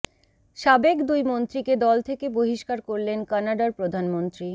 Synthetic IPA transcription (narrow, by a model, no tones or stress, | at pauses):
ʃabekd̪ujmont̪ɾiked̪ɔlt̪ʰekeboɦiʃkaɾkoɾlenkanaɖaɾpɾod̪ʱanmont̪ɾi